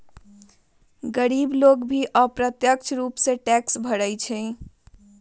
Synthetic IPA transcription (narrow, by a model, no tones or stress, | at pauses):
ɡəɾiblokbʱiʔəpɾət̪jək̚t͡ʃʰɾupsẽʈɛksbʱəɾəjt͡ʃʰɛ